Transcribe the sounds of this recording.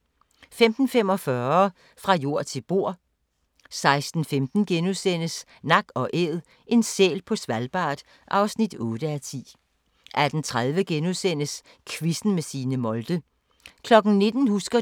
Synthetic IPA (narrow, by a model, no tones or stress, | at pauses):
femd̥n̩femɒ̽fɶɐ | fʁɑ̈jo̝ɐ̰t͡sʰe̝lb̥o̝ɐ̰ | sɑ̈ɪsd̥n̩femd̥n̩ɡ̥enusen̰əs | nɑ̈ɡ̥ɒ̽ʔeːð̩ˠ | ʔe̝nsḛːlpʰɒ̽sʋælb̥ɑ̰̈ːd̥ | ʔɑ̈ʊsnid̥ɔ̽ːɾ̥əæt͡sʰḭː | ʔæd̥n̩t͡sʰʁað̞ˠʋəɡ̥enusen̰əs | kʰʋisn̩mesiːnəmɒ̽ld̥ə | kʰlɒ̽ɡ̥n̩ne̝d̥n̩husɡ̥ɐ